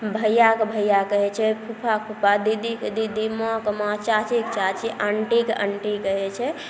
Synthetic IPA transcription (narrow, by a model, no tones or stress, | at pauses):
bʱəjakebʱəjakəɦɛt͡ʃʰɛpʰupʰakpʰupad̪id̪ʱiked̪id̪ʱimɔkəmãt͡ʃat͡ʃikt͡ʃat͡ʃiʔəɳʈikə̰ɳʈikəɦɛt͡ʃʰɛ